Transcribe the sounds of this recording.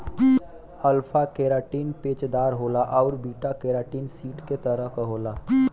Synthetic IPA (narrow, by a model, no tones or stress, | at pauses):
əlpʰakeːɾaːʈiːnpeːt͡ʃd̪aːɾɦoːlaʔɔːɾbiːʈakeːɾaːʈiːnsiːʈket̪əɾəɦkɦoːlaː